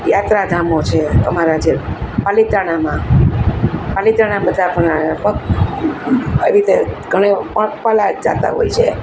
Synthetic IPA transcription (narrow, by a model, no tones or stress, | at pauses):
jat̪ɾad̪ʱamot͡ʃʰet̪əmaɾad͡ʒepalit̪aɽ̃amã | palit̪aɽ̃abəd̪ʱapəɳapək | eʋit̪eɡʱəɽ̃epəpalad͡ʒa̰t̪a̰ɦo̰jt͡ʃʰe